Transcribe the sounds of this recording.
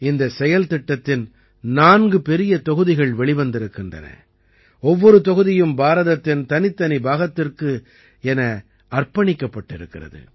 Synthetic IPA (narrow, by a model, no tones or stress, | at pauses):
ɪnd̪ɐsɛjɐlt̪ɪʈːɐt̪ːɪn | naːnɡɯpɛɾɪjɐt̪ɔɣɯðɪɣɐɭʋɛɭɪʋɐnd̪ɪɾɯkːɪndrɐ̰nɐ̰ | ɔʋːɔɾɯt̪ɔɣɯðɪjɯmbaːɾɐðɐt̪ːɪnt̪ɐnɪt̪ːɐnibaːɣɐt̪ːɪrkɯ | ɛnɐ | ɐrpɐɳɪkːɐpːɐʈːɪɾɯkːɪrɐ̰ðɯ̰